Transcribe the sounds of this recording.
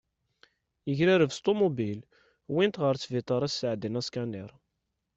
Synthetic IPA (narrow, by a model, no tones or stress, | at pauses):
jəʝɾiɾəvst̪omobil | wint̪ʁəɾt͡sːvit̪ˤɑɾˤæsːəʕd̪ənæskæniɾˤ